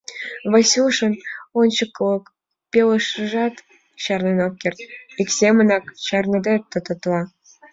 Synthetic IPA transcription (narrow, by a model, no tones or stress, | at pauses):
βɑsʲulʃə̆nont͡ɕə̆kːlɤ̆k | pʲelə̆ʃəʒɑt̪ | ɕɑrnenop̚kʲert̪iksʲemə̆nɑkɕɑrnɤd̪ɑt̪ːə̆t̪ə̆t̪lɑ